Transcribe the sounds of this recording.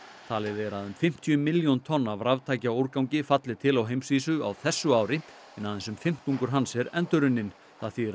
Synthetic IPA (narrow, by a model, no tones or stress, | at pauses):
t̪ʰaːlɪðɛɾaðʏmfɪm̥t̪ʰiʏmɪljont̪ʰɔnːavɾavt̪ʰaːjcaowɾkawɲcɪfat̪lɪt̪ʰɪlawɦejmsviːsʏa̰wθɛsːʏaːwɾɪ | ɪnaːðɪnsʏmfɪm̥t̪uŋkʏɾɦansɛɾɛnt̪ʏɾʏnːɪn | θaðθi